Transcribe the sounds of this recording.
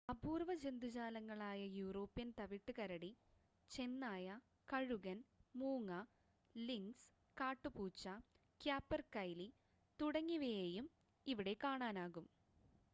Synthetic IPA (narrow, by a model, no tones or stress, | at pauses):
ɐbuːrʋɐd͡ʑe̞nd̪ut͡ɕaːlɐŋːɐɭaːjɐjuːro̞ːpːjɐnt̪ɐʋiʈːɨkɐɾɐɽi | t͡ɕe̞nːaːjɐ | kɐɻuɣɐnmuːŋːɐ | liŋɡs | kaːʈːupuːt͡ɕːɐ | kjaːpːɐrkɐjli | t̪uɽɐŋːiʋejejum | iʋiɽe̞kːaːɳaːnaːɣum